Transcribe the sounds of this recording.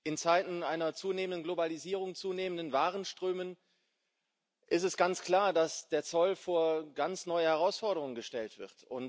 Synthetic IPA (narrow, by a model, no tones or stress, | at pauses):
ʔɪnt͡saɪtn̩aɪnɐt͡suːneːməndənɡlobaliziːʁ̞ʊŋt͡suːneːməndənvaːʁənʃtʁ̥øːmən | ʔɪstɛsɡ̥ant͡skl̥aːɐdasd̥eːɐt͡sɔlfoːɐɡant͡snɔʏəhɛʁaʊsfɔɐɾəʁʊŋənɡəʃtɛltv̥ɪ̰ʁtʊn